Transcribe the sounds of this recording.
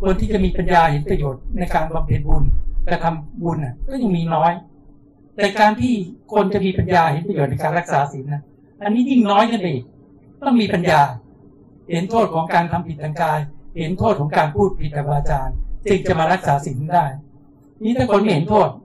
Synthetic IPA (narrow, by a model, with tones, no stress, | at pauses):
kʰo˧nt̪ʰiː˥˩t͡ɕa˨˩miː˧pa˧njaː˧he˩˦npɾa˧joː˨˩t̪̚na˧jkaː˧nkʰaː˧mpʰe˨˩n̚bu˧nkɛ˧˩t̪ʰa˧mbu˧nʔa˨˩kɔː˥˩ja˧ŋmiː˧nɔː˦˥j | t̪ɛː˨˩kaː˧nt̪ʰiː˥˩kʰo˧nt͡ɕa˨˩ʔmiː˧pa˧njaː˧he˨˩˦npɾa˧joː˨˩t̪na˧jkaː˧nɾa˦˥k̚saː˩˦si˨˦nʔa˧˩ | ʔa˧nːiː˦˥ɲi˥˩ŋnɔː˦˥jka˧˩pa˧˨ʔi˨˩k̚ | t̪ɔ˥˩ŋmiː˧pa˧njaː˧ | he˩˦nt̪ʰoː˥˩t̪̚kʰɔː˩˦ŋkaː˧nt̪ʰa˧mpʰi˨˩t̪̚ːʰaː˧ŋkaː˧jhe˩˦nt̪ʰoː˥˩t̪̚kʰɔ˩˦ŋkaː˧npʰuː˥˩t̪̚pʰi˨˩t̪̚ːʰa˧maː˧t͡ɕaː˧nt͡ɕɯ˧ŋt͡ɕa˨˩maː˧ɾa˦˥k̚saː˩˦si˨˩˦ndaː˥˩j | niː˦˥t̪ʰɛː˥˩kʰo˧nma˥˩he˩˦nt̪ʰoː˥˩t̪̚